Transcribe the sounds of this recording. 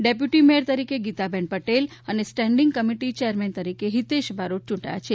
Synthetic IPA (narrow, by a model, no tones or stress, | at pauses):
ɖep̬juʈimeɾt̪əɾikeɡit̪abɛnpəʈelənesʈɛ̃ɳɖiŋɡkəmiʈit͡ʃejəɾmɛnt̪əɾikeɦit̪eʃbʱaɾot͡ʃũɳʈaja̰t͡ʃʰe